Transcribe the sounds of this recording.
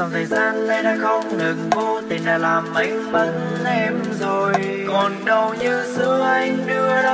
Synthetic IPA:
a˨˩wt̪ʰəː˨˩jzaː˧nna˧˩jɗaː˧xə˧wŋ͡mŋɨ˨˩ŋko˧t̪ʰi˨˩nɗaː˨˩laː˨˩mʔi˧ŋ̟ɓə˧˦˥n̚ | ɗɛ˧mzo˨˩j | kɔ˨˩nɗə˨˩wɲɨ˧sɨ˧˦əʔa˧jŋ̟ɗɨ˧ə˧

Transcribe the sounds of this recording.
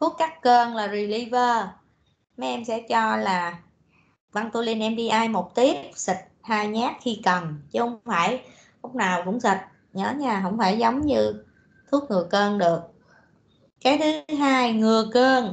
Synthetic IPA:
t̪ʰu˦˥ək̚kaː˦˥kkəː˧nlaː˨˩zi˨˩li˧vəː˧ | mɛ˨˦˥ʔɛ˧msɛ̰˧˥t͡ɕɔ˧laː˨˩ | va˧ŋt̪o˧li˧nʔɛ˧mɗi˧ʔaː˧jmo˨˩t̚t̪i˦˥əp̚sï˨˩k̚haː˧jɲaː˦˥t̚xi˧kə˨˩nt͡ɕɨ˨˦hə̰˧˥wŋ͡mŋ͡mfaː˧˩j | lʊ˦˥k͡p̚naː˨˩wkʊ̰˧˥ŋ͡msə˨˩t̚ | ɲəː˨˦ɲaː˧˩ɦə̰˧˥wŋ͡mfaː˧˩jzə˨˦wŋ͡mɲɨ˧ | t̪ʰu˦˥ək̚ŋɨ˨˩əkəː˧nɗɨ˨˩ək̚ | kaː˨˦jt̪ʰɨ˨˦ɦaː˧jŋɨ˨˩əkəː˧n

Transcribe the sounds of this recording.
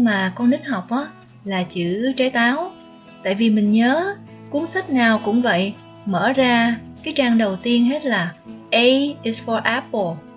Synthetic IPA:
maː˨˩kɔ˧nɨ˦˥k̟̚ɦɔ˨˩wk͡p̚ʔɔː˨˦ | laː˨˩t͡ɕɨ̰˧˨t͡ɕaː˨˦jt̪aː˨˦w | t̪a̰ː˧˨jvi˨˩mï˨˩ŋ̟ɲəː˨˦ | kwu˨˦ənsa˦˥k̟̚naː˨˩wkʊ̰˧˥ŋ͡mvə̰˧˨j | mə̰ː˧˩zaː˧kaː˨˦jt͡ɕaː˧ŋɗə˨˩wt̪i˧ənɦe˦˥t̚laː˨˩ʔə˧ʔi˧sfɔ˧ʔa˨˦˥po˨˩

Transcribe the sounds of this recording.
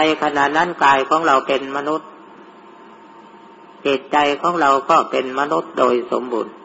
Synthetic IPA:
na˧jkʰa˧na˧˨na˧˥˨nkaː˨jkʰɔː˨˦ŋɾa˧wpe˨nma˧nu˦˥˩t̪̚ | heː˨˩t̪̚t͡ɕa˧jkʰɔː˨˦˥ŋɾa˨˧wkɔː˧˩pe˨˩nma˧nu˧˦˥t̪̚doː˨jso̰˨˦mbṵː˨n

